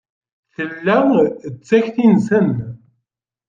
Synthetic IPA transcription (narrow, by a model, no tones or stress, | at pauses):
θəlːæət͡sːæçθinsən